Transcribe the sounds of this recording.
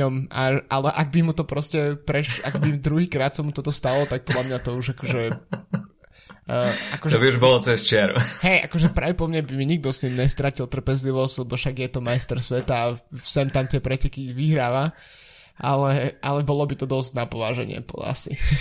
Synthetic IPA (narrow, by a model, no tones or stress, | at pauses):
ɔmʔaʔalɛʔaɡ̚bimut̪ɔpɾɔscɛpɾɛaɡbimd̪ɾuɦiːkɾaːt̪samut̪ɔt̪ɔst̪alɔt̪ak̚pɔd̪lamɲat̪ɔuʒakɔʒɛ | akɔʒɔbiuʒbɔlɔt͡sɛst͡ʃɪɛɾṵɦɛjʔa̰kɔʒɛpɾa̰ːʋɛpɔmɲɛbimiɲiɡ̚d̪ɔst̪imɲɛst̪ɾacilˠt̪r̩pɛzliʋɔsɟ̥lɛbɔfʃaɡjɛt̪ɔmajst̪ɛɾsʋɛt̪aːsɛmt̪amt̪ɪɛpɾɛcɛkiʋiɦɾaːʋa | ʔa̰lɛʔalɛbɔlɔbit̪ɔd̪ɔzɟnapɔʋaːʒɛ̰ɲɪɛ̰pɔ̰a̰sḭ